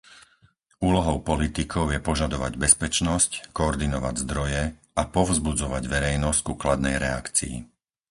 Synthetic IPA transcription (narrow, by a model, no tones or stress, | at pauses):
uːlɔɦɔʊpɔlit̪ikʰɔʊjɛpɔʒad̪ɔʋa̰ɟbɛspɛt͡ʃnɔsckɔːɾd̪inɔʋa̰ɟzd̪ɾɔjɛ | apɔʊzbud͡zɔʋaɟʋɛɾɛjnɔsckuklad̪nɛ̰jɾɛa̰kt͡sḭḭ